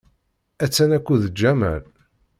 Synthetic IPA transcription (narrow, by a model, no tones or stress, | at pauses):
æt͡sːænækʷːuðəd͡ʒːæmæ̰l